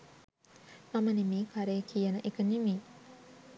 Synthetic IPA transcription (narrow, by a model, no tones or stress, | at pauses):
mɐmənimiːkʰaɾeːkʰijənəʔekənimiː